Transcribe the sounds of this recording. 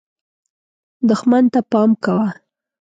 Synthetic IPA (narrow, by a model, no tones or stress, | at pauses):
d̪ʊxmant̪apɑmkawa